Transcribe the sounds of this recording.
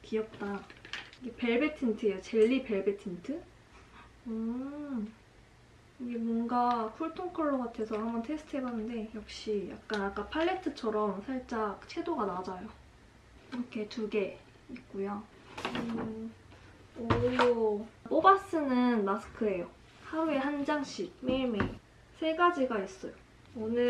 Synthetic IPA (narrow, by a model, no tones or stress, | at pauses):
kiʌp̚t͈aiɡepe̞ɭbetʰintʰɯejot͡ɕe̞ɭːipe̞ɭbetʰintʰɯ | ɯ | iɡe̞mɔnɡakʰuɭtʰoŋkʰʌɭːoɡatʰe̞sʰʌhambʌntʰe̞sʰɯ̥tʰɯɦebanːɯnde̞jʌk̚ɕ͈ija̰k̚k͈anak͈apʰaɭːe̞tʰɯt͡ɕʰʌɾʌmsʰaɭt͡ɕ͈akt͡ɕʰe̞doɡanad͡ʑajo | kiɾʌkʰe̞tuɡe̞ | ik̚k͈ujo | ɯ | ojoobas͈ɯnɯnmasɯ̥kʰɯe̞jo | hauehand͡ʑaŋɕ͈ik̚meɭme | sʰe̞ɡad͡ʑiɡais͈ʌ̰jo | onɯ